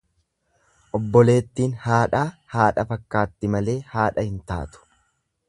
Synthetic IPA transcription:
ʔɔbːɔle̞ːt̪ːiːnhaːᶑaːhaːᶑɐfɐkːaːt̪ːɪmɐle̞ːhaːᶑɐhɪnt̪a̰ːt̪ʊ̥

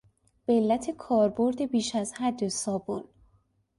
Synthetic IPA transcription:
b̥elːæt̪ʰekʰɒːɾbo̞ɾd̪ebiːʃæzhæd̪ːosɒːbol

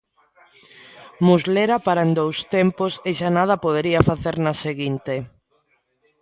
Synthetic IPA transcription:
muzleɾɐpaɾɐend̪owst̪emposeʃanað̞ɐpoð̞eɾiɐfaθeɾnaseɣint̪e

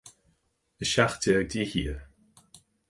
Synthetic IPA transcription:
əʃaxtəəɡ̚dihiə

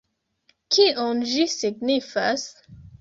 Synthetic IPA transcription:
kʰionʒisiɡnifas

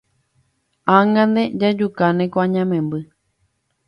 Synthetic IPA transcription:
ãŋɡãnd̪ed͡ʒad͡ʒukanẽkoãɲãmẽmbɨ

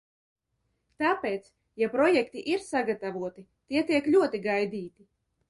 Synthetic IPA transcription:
t̪aːpeːt̪s | japɾɔjɛkt̪iʔiɾsaɡat̪avuɔt̪i | t̪iɛt̪iɛklʲuɔt̪iɡajd̪iːt̪i

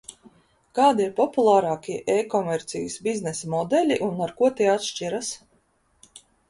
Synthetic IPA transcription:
kaːd̪iiɾpɔpulˠaːɾɑːkʲiɛʔeːkɔmɛɾt̪sijsbiznɛsamɔd̪ɛlʲiʔunaɾkuɔt̪iɛat̪ʃt͡ʃiɾas

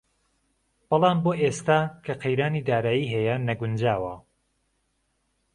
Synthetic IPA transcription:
b̥ɨlˠɑːmboːʔeːst̪aːkʰɐqʰejɾaːniːd̪aːɾaːjiːɦɛjɐnɐɡʊnd͡ʒaːwɐ

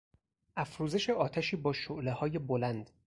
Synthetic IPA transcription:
ʔæfɾuːze̞ʃeʔɒːt̪ʰæʃiːbɒːʃoʔlehɒːje̞bolænd̪̥

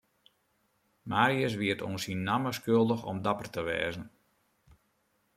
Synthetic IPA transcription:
maːɾiəs̬ʋiətʰo̰nsinːaməskølˠdəxɔ̰mdapərtəʋɛ̰ːzən

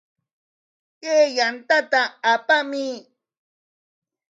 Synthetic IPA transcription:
keːjant̪at̪aapami

